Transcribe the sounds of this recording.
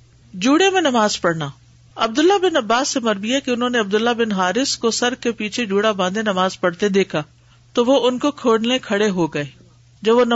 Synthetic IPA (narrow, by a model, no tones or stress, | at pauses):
d͡ʒuːɽemẽnɐmaːzpɐɽnaː | ɐbd̪ʊlːabɪnɐbːaːsːemɐɾbiakiʊnɦõːneɐb̚d̪ʊlːabɪnɦaːɾɪskosɐɾkepiːt͡ʃʰed͡ʒuːɽabãːnd̪enɐmaːzpɐɽt̪ed̪eːkʰa | t̪oʋoʊnkokʰoːɽnẽkʰɐɽeɦoɡɐeː | d͡ʒɐbʋon